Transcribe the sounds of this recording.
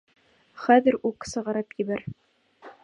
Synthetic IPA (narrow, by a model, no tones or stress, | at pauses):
χæðɘ̆ɾuksɤ̆ʁɑɾɤpjɘ̆bæɾ